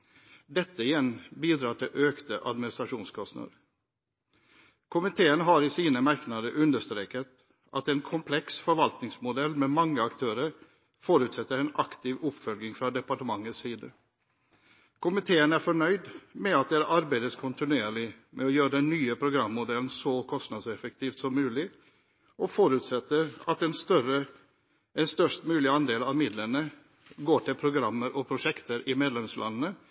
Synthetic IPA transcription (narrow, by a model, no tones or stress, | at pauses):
d̪ɛt̪ːəɪjɛnbiːd̪ɾɑːʈʰɪʔøːkt̪əʔɑ̰d̪mɪnɪst̪ɾɑʂuːnskʰɔst̪nə̰ɾ | kʰʊmɪt̪ʰeːənɦɑɾɪsiːnəmæɾknɑd̪əʔʉnd̪əʂt̪ɾeːkət̪ | ʔɑt̪ɛnkʰʊmpʰlɛksfɔɾʋɑlt̪nɪŋsmʊd̪ɛlːmɛmɑŋːəɑkt̪ʰøːɾəɾ | foːɾʉːt̪sɛt̪ːəɾɛnɑkt̪ɪʋʊpfœlɡɪŋfɾɑd̪ɛpɑʈəmɑŋːət̪ssiːd̪ə | kʰʊmɪt̪ʰeːənæɾfɔɳœʏd̪mɛɑt̪̚d̪ɛːɾəʔɑɾbæɪd̪əskʰʊnt̪ɪnʉeːɭɪmʔɛɔjøːɾəd̪ɛnːyːəpʰɾʊɡɾɑmːʊd̪ɛlənsɔkʰɔst̪nɑd̪sɛfək̚t̪iːft̪sɔmːʉːlɪ | ʔɔfɔɾʉt̪sɛt̪ːəɾɑt̪ɛnst̪œɾə | ɛnst̪œʂʈmʉːlɪɑnd̪eːlɑʋmɪd̪lənə | ɡoːʈɪlpʰɾʊɡɾɑmːəɾʔɔpʰɾʊʂɛkt̪əɾʔɪmeːd̪lɛmslʔɑ̰nənə